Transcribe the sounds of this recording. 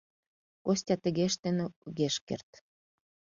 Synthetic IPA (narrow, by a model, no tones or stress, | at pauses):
kosʲtʲɑt̪ə̆ɣeʃt̪enuɣeʃkḛrt̪